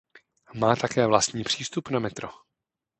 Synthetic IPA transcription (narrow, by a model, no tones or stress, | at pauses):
maːt̪akɛːvlast̪ɲiːpr̝̥iːst̪upnamɛt̪ɾo